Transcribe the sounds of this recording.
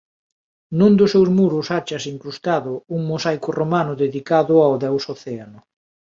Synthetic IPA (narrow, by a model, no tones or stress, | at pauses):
nund̪ʊsewzmuɾʊsat͡ʃasiŋkɾust̪aðʊuŋmosajkʊromanʊðeðikaðʊawðɛwsoθɛanʊ